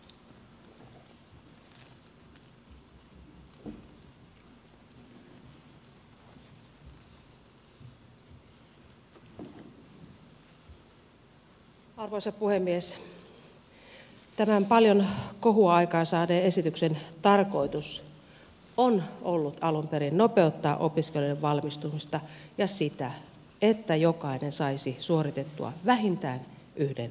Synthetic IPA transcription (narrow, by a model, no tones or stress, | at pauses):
ɑrʋoisɑpuhemːies | t̪æmæmpɑljonko̞ɦuɑikɑːsɑːdeːe̞sit̪yksent̪ɑrko̞it̪us | onolːut̪ɑlumpeɾinno̞pe̞ut̪ːɑːʔo̞piskelueʋʋɑlmist̪umist̪ɑjɑsit̪æ | et̪ːæjokɑinensɑisisuorit̪et̪ːṵɑ̰ʋæɦint̪æːn | ʔyhden